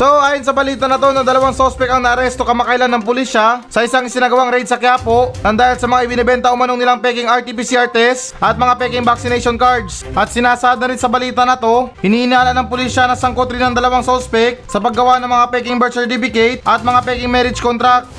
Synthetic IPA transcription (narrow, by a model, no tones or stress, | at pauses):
soʔaːjonsɐbɐliːt̪ɐnɐt̪o̞nɐŋd̪ɐlɐwaŋsospɛkɐŋnɐʔɐɾɛst̪o̞kɐmɐkɐʔɪlanːɐŋpʊliʃasɐʔɪsaŋɪsɪnɐɡɐwaŋɾɛjd̪̚sɐkɪjaːpo̞ʔnɐnd̪aːhɪlsɐmɐŋaʔɪbɪnɛbɛnt̪ɐʊmɐno̞ŋnɪlaŋpɛːkɪŋɐɹt̪ipisiʔaɹt̪ɛsʔɐt̪̚mɐŋapɛkɪŋbak̚sɪnɛjʃo̞nkaɹd̪sʔɐt̪̚sɪnaːsɐad̪ɐɾɪnsɐbɐliːt̪ɐnɐt̪o̞hɪniːhɪnaːlɐnɐŋpʊliʃɐnɐsɐŋkot̪ɾɪnɐŋd̪ɐlɐwaŋsospɛk̚sɐpɐɡːɐwanɐŋmɐŋapɛkɪŋbɛɹsɛɹt̪ifɪkɛjt̪̚ʔɐt̪̚mɐŋapɛkɪŋmɛɾɪd͡ʒkont̪ɾak̚t̪